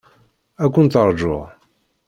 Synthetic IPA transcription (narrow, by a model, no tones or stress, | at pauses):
ækʷːʊnt̪əɾˤd͡ʒʊ̰ʁ